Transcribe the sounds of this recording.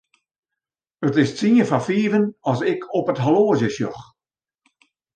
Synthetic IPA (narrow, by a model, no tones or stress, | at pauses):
ətɪstt͡siəfafiːvənɔsɪkʰɔpətɦaloːzjəsjɔ̰x